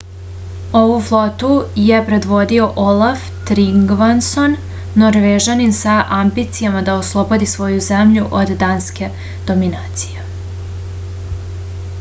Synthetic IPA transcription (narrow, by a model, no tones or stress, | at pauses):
o̞vuflˠo̞t̪uje̞pɾe̞d̪ʋo̞d̪io̞ʔolˠaf | t̪ɾiŋɡʋanso̞nː | oɾʋeʒaninsaʔambit̪sijamad̪aoslˠo̞bo̞d̪isʋo̞juzemʎuʔod̪ːanske̞ | d̪̥o̞minaːt̪sije